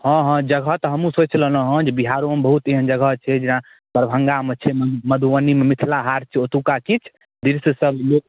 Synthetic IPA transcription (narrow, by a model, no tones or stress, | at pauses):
ɦɔ̃ɦɔ̃d͡ʒəɡʱɔt̪ɔɦəmũsot͡ʃlələɦɔ̃d͡ʒebiɦaɾombəɦut̪eɦənd͡ʒəɡʱət͡ʃʰɛd͡ʒinã | pəɾbʱəŋɡamet͡ʃʰɛməd̪ʱuʋənimemit̪ʰlaɦaɾt͡ʃʰɛot̪ukakit͡ʃʰ | d̪iɾsəsəblok